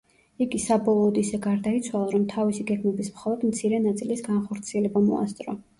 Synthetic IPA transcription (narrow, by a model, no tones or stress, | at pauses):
iɡisabɔlˠɔːd̪isɛɡaɾd̪ait̪sʰwalˠaɾɔmt̪ʰavisiɡɛɡmɛbismχɔlˠɔd̪mt̪sʰiɾɛnat̪sʼilisɡanχɔɾt̪sʰiɛlɛbamɔ̰a̰st̪sʼɾɔ